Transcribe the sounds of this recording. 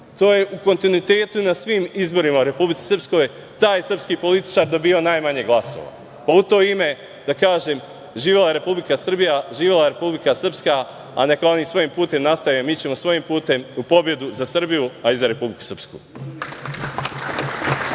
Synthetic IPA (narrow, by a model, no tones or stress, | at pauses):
t̪o̞ːje̞ʔuko̞nt̪inuit̪e̞ːt̪unasʋiːmizbo̞ɾimauɾe̞publit̪i̥srpsko̞j | t̪aːjesr̩pskiːpo̞lit̪i̥t͡ʃaɾd̪o̞biːo̞naːjmaɲe̞ɡlˠaso̰ʋa̰ | paut̪o̞ːime̞ | d̪akaːʒem | ʒiːʋelajeɾe̞publikasr̩bijaʒiːʋelajeɾe̞publikasr̩pska | a̰nekonisʋo̞jimpuːt̪e̞mnast̪aʋjomiːt͡ɕe̞mo̞sʋo̞jimpuːt̪e̞mupo̞bje̞d̪uzasr̩bijuaizaɾe̞publiku̥sr̩pskṵː